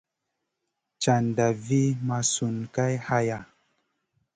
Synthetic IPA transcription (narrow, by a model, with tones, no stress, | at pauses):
t͡ʃa˨n˨da˨vi˦ma˧su˨nka˦jha˧ja˨